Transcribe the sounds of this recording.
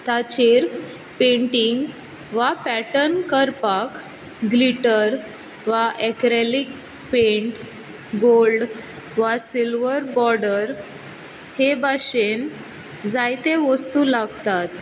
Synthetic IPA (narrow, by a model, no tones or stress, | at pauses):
t̪at͡ɕeɾ | peɳʈiŋɡ | ʋapæʈənkəɾpak | ɡliʈəɾ | ʋaʔekɾelik | pẽɳʈ | ɡolɖ | ʋasilʋəɾbɔɾɖəɾ | hebaɕen | d͡zajt̪ẽʋəst̪ulaɡt̪at̪